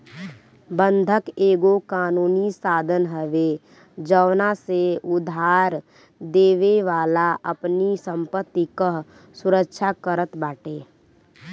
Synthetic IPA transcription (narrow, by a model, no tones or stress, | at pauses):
bə̃nd̪ʱəkeːɡokaːnuːnisaːd̪ʱənɦəʋe | d͡ʒəwnaseʊd̪ʱaːɾ | d̪eːʋeʋaːlaʔəpnisə̃mpət̪ːikəɦ | sʊɾəkʃʰakəɾət̪baːʈeː